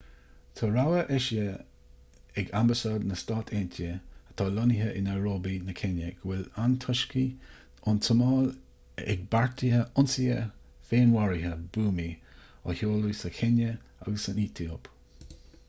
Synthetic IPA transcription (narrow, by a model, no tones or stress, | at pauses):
t̪ʰɔɹawəʔɛʃə | ɛɡambəsaːd̪nəstɑːt̪ʰeːntʰəə̥t̪ʰɑːlɔniɦəʔɪnaɹoːbinəkʰɛnjəɡ̥əwɪlant̪ʰɔʃki | ʊntʰəmɑːl | ɛ̰ɡ̚baɹtʰihəʊnsiə | feːnwaɹiɦəbuːmiɔ̰hoːlusəkʰɛnəa̰ɡəsəniːtʰiob̥